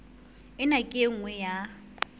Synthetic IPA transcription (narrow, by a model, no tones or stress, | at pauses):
ɪnakʼeŋ̩ŋwɛja